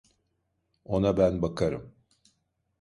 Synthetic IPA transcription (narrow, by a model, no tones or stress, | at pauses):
o̞nabænbakʰaɾɯ̰m